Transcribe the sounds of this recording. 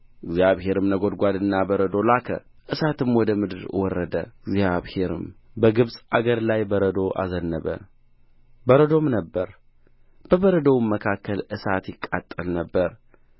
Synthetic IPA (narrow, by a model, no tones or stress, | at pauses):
ʔɨɡzjaβhe̞ɾɨmnəɡo̞d̪ɡʷad̪ɨnːabəɾəd̪o̞lakʰə̰ | ʔɨsat̪ʰɨmwɔd̪əmɨd̪ɨɾwɔrːəd̪əɪɡzjaβhe̞ɾɨ̰m | bəɡɨβsʼaɡəɾlajbəɾəd̪o̞ʔa̰zənːəβə̰ | bəɾəd̪o̞mnəbːəɾ | b̥əβəɾəd̪əwmːəkʰakːəlʔɨsat̪jɪkʼːa̰t̪ʼːəlnəbːəɾ